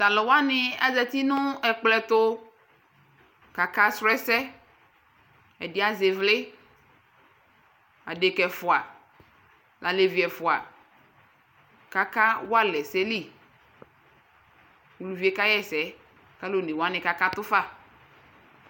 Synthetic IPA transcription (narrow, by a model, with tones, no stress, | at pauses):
t̪a˨lɔ˨wa˦nɪ̃˨a̰˦zɛ˦t̪i˦nʊ̃˦ɛ˨k͡plɛ˦t̪ʊ˦ | ka˨ka˦sɾɛ˦sɛ˦ | ɛ˨dɪ˨˦a˦ze˨vle˦ | a̰˨ɖe˨kɛ˨fʊ˨a˨ | lʔa˨le˨vi˨ɛ˨fʊ˨a˨ | ka˦ka˦wo˦a˦lɛ˨sɛ˦li˦˨ | wu˨lu˨vi˨e˦ka˦jɛ˦sɛ˦ | ka˦lo˨nẽ˨wa˦nɪ̃˨ka˨ka˦t̪ʊ˦fa˦˨